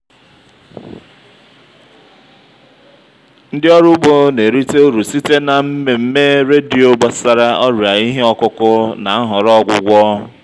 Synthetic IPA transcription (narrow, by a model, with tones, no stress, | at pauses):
n̩˦dɪ˦ɔ˦ɾʊ˦ɡ͡bo˨ne˨ɾi˦te˦o˦ɾu˨si˦te˦na˨m̩˦me˨m̩˦me˦ɾe˦di˨o˦ɡ͡bɔ˨sa˨ɾa˦ʔɔ˦ɾja˨i˦ɦe˦ɔ˦kʊ˦kʊ˦na˨˦ɦʊ˨ɾɔ˦ɡʷʊ̰˦ɡʷɔ˦